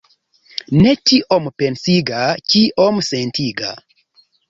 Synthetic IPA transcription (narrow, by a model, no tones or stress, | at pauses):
net͡ʃiʔompensiɡat͡ʃiʔomsentʰiɡa̰